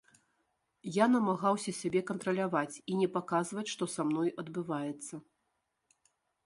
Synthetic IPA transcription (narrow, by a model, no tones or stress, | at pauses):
janɐmaɣawsʲɐsʲabʲɛkɐnt̪ɾɐlʲavat͡sʲinʲɛpakazvɐt͡sʲʂt̪ɔsamnɔjɐd̪bɨvajɛt̪sːɐ